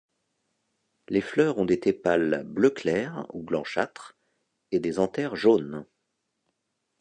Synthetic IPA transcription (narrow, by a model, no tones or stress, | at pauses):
leflœʁɔ̃d̪et̪epalbløklɛʁṵblɑ̃ʃa̰t̪χ | ed̪ezɑ̃t̪ɛʁʒon